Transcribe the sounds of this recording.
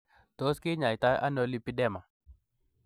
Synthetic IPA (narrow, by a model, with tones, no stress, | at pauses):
t̪o˦skɪ˦ɲa˨jt̪a˦jʔa̰˦nɔ˦li˦pi˦dɛ˦ma˨